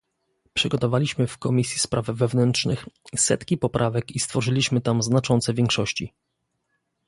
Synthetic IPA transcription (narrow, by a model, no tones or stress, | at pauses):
pʂɘɡɔt̪ɔvalʲiɕmɘfkɔmʲisʲjispɾʔavvɛvnɛntʂnɘxsɛ̰t̪kʲipɔpɾʔavɛkist̪fɔʐɘlʲiɕmɘt̪amznat͡ʂɔnt̪sɛvʲjɛŋkʂɔɕt͡ɕḭ